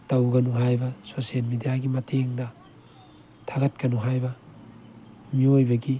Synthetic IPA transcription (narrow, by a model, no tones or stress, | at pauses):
tɐwɡɐnuɦajbɐsosielmidijaɡimɐtʰeŋdɐ | tʰaɡɐt̚kɐnuɦajbɐ | miojbɐɡi